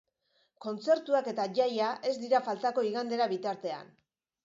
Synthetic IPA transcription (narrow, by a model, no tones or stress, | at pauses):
ko̞nt͡se̞ɾt̪uake̞t̪aʝajaʔe̞zd̪iɾafalt̪ako̞iɣand̪e̞ɾaβit̪aɾt̪e̞a̰n